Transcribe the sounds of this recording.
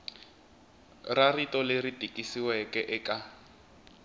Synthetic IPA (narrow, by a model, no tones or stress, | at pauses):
raritɔleritʼikʼisiwɛkʼɛʔɛkʼa